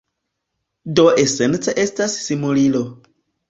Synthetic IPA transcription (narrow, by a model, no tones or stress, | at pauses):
do̞ʔese̞nt͡seʔe̞stassimulilo